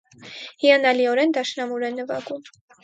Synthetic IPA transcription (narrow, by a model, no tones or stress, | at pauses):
hiɑnɑliɔɾɛnd̪ɑʃnɑmuɾɛnːəvɑ̰ɡum